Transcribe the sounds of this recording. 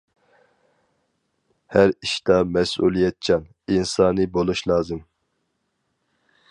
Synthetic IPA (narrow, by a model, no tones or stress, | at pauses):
hæɾiʃt̪ɑmɛsṵlˠijɛt̪̚t͡ʃʰɑn | insɑːnɨbolˠuʃlˠɑːzɨm